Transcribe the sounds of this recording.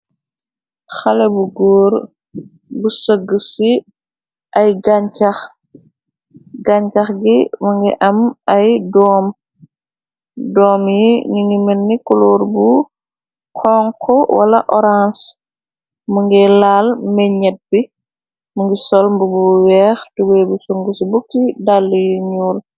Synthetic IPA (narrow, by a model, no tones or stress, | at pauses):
xɐlɛbuɡɔːɾ | busəɡəsi | ɐjɡaɲkax | ɡaɲkɐxɡimɐŋɡiʔɐmɐjdɔːm | dɔːmjiniŋimɛnːikɔlɔːɾbu | kʰɔːŋkʰɔwɐ̰lɐ̰ʔɔɾans | muŋɡɛlalmɛɲɛt̚bi | muŋɡisɔlmbubuwɛːxtubɛjbusuŋɡusibukːidalːujiɲuːl